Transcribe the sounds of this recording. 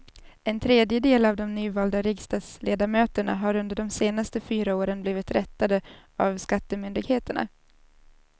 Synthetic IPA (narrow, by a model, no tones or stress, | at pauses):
ɛnt̪ʰɾeːd̪jəd̪eːlavd̪ɔmnyːvɑːld̪aɾɪɡst̪ɑːd̪sleːd̪aɾmøːt̪əɳa̰ɦaɾɵnd̪əɖɔmseːnast̪əfyːɾaoːɾənbliːvɪt̪ɾɛt̪ːad̪ə | avskat̪ːəmʏnd̪ɪɡheːt̪əɳa̰